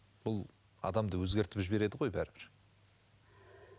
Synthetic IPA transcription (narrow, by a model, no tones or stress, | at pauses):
b̥ʊlˠ | ɑ̰d̪ɑmd̪əwɵzɡʲe̞ɾt̪ɪpʒɪbe̞ɾe̞d̪ɪʁo̞jbæɾɪbɪɾ